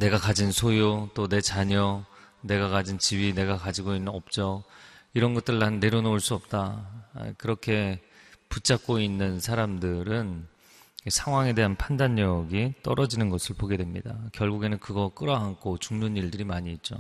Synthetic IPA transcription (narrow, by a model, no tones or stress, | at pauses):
ne̞ɡakad͡ʑinsʰojot͈one̞t͡ɕaɲʌ | ne̞ɡakad͡ʑint͡ɕibine̞ɡakad͡ʑiɡoinːɯʌp̚t͡ɕ͈ʌiɾʌnɡʌt͈ɯɾːannːe̞ɾonouɭs͈uʌp̚t͈a̰ | kɯɾʌkʰe̞ | put͡ɕ͈ʰak̚k͈oinːɯnsʰaɾamdɯɾɯn | sʰaŋɦwaŋe̞de̞ɦanpʰandaɲːʌɡit͈ʌɾʌd͡ʑinɯnɡʌsʰɯɭpoɡe̞dwe̞mɲḭdakjʌɭɡuɡe̞nɯnkɯɡʌk͈ɯɾʌɦaŋkʰot͡ɕuŋnoniɭdɯɾimaɲiːt̚t͡ɕ͈o̰